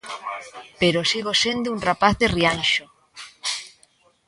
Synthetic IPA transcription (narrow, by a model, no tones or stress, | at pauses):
peɾosiɣosend̪euŋrapaθðerianʃo